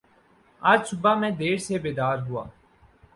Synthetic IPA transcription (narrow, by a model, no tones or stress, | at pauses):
əɾsʊbaːmɛ̃ːd̪eːɽseːbeːd̪aːɾɦʊa̰ː